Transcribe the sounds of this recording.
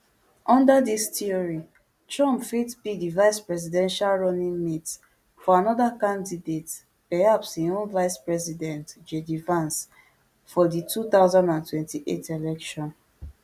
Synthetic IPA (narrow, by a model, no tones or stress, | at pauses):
ʔɔ̃ndadistiɔɹi | t͡ʃɹɔ̃mpfitbidivaɪspɹɛzidɛ̃nʃalɹɔnĩŋmit | fɔanɔdakãndidet | pɛhapshĩõnvaɪspɹɛzidɛ̃ntd͡ʒedivãns | fɔdituθaʊzãndãntwɛ̃ntiʔḛtʰelɛkʃɔ̃n